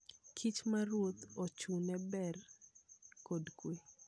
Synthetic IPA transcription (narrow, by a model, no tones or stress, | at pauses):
kʰit͡ʃmarwot̪ot͡ʃunɛbɛr | kodkwe